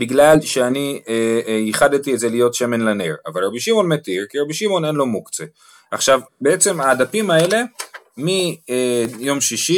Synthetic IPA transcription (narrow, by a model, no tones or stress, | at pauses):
biɡlalʃeanieiχadt̪iezelijo̞tʃeme̞nlaneʁa̰valʁabiʃimo̞nmetiʁkiʁabiʃimo̞ne̞nlo̞mukt͡se | aχʃavbeet͡se̞maːdapimae̞le̞ | mi | jo̞mʃiʃi